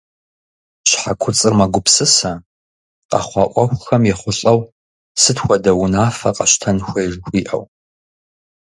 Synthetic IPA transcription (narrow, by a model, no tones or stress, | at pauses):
ɕħakʷʰʊt͡sʼɨrmɐɡʷʊpsɨsɐ | qɑ̰χʷɑːʔʷʼɔxʷxɐmjɛχʷʊɬʼɐw | sɨtxʷɔdɐwʊnaːfɐqɐɕtʰɐnxʷɐjʒxʷiːʔɐ̰w